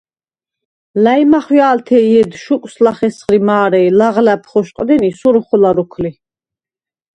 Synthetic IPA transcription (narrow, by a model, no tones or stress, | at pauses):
lajmaχwjaːlt̪ʰɛiɛd̪ʃukʼslaχɛsχɾimaːɾɛilaʁlæpʰχɔʃqʼd̪ɛnisuɾuχulaɾukʰli